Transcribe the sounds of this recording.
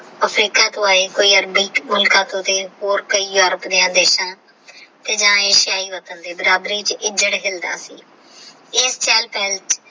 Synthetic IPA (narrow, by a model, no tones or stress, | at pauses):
əpʰɾiːkaːt̪õːaːeːkoːiːəɾbiːmʊlkãːt̪õːt̪eːɦoːɾkəiːjoːɾəpd̪iːãːd̪eːʃãː | t̪eːd͡ʒãːeːʃɪjaːiːʋət̪ənd̪eːbəɾaːb̪ɾiːt͡ʃɪd͡ʒəɽɦɪld̪a̰ːsḭː | eːst͡ʃɛːlpɛːlʈ